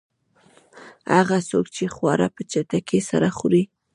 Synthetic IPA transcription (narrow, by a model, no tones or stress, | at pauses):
haɣasokt͡ʃexwɑɾapət͡ʃat̪akesa̰ɾaxʊɾi